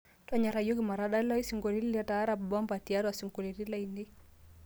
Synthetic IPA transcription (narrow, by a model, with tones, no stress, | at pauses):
twa˦ɲa˨ɾa˨jo˦ki˦ma˨ɾaɗa˦lɔ˦i˦si˨ŋɡo˨ɾi˦li˦la˦ta˦ɾa˨bbɔ˦mba˨ti˨a˦ɾwa˨si˨ŋɡu˨ɾiɾi˦la˦˨indi˦